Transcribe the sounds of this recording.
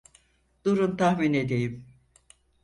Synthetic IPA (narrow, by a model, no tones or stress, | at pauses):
d̪̥uɾunt̪ʰahmine̞d̪ejim